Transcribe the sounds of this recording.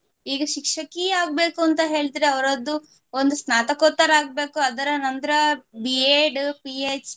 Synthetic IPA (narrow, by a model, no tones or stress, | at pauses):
iːɡɐʃikʂɐkiaːɡ̚be̞ːkuɐnt̪ɐɦe̞ːɭt̪iɾeɐʋɐɾɐd̪ːu | ond̪usnaːt̪ɐkɔːt̪ːɐɾaːɡ̚be̞ːkuɐd̪ɐɾɐnɐnd̪ɐɾɐbieːɖpiːeːt͡ʃ